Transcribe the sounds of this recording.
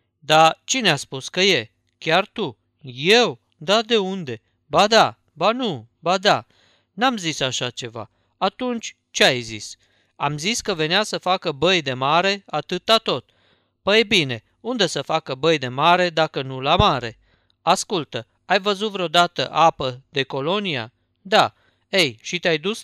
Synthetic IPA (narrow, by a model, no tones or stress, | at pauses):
d̪at͡ʃineaspuskəje̞ | kʲart̪u | je̞w | d̪ad̪e̞und̪e̞ | bad̪a | banu | bad̪a | namzisaʃat͡ʃe̞va̰ | at̪unt͡ʃʲ | t͡ʃeajzḭs | a̰mziskəve̞neasəfakəbəjd̪e̞maɾe̞at̪ɨt̪lat̪o̞t̪̚ | pəjebine̞ | und̪e̞səfakəbəjd̪e̞maɾe̞d̪akənulamaɾe̞ | askult̪ə | ajvəzut̪vɾeod̪at̪ə̰ʔapəd̪e̞ko̞lo̞nia̰ | d̪a | ejʃit̪eajd̪us